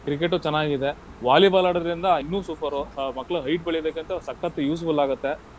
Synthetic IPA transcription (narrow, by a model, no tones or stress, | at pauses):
kɾik̬eʈ̬ːut͡ʃɛnːaːɡid̪e̞ʋaːlibaːlaːɽɐd̪ɐɾind̪ɐɐinːuːsuːpʰɐɾomɐkːɐɭɐɦɐjʈ̚bɐɭijd̪eːkeːnt̪ɐsɐkːɐt̪ːɐjuːs̬bɐlaːɡut̪ːe